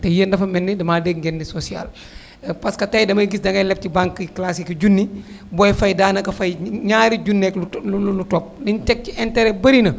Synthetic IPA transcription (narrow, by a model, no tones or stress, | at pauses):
tɛjəndɐfɐmɛnːidɐmaːdɛɡ̚ɡɛnːisɔsia̰l | pɐskɐtɐjdɐmɐɡisdɐŋɡɐjlɛp̚tibaŋkːklasikiɟunːi | bɔːjfɐjdaːnɐkɐfɐjɲaːɾiɟunːɛkluullutɔp̚dintɛk̚tiʔɛntɛɾɛbɐɾinɐ